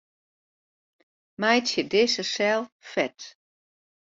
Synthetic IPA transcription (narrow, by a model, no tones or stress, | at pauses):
majtjədɪsəsɛlˠfɛt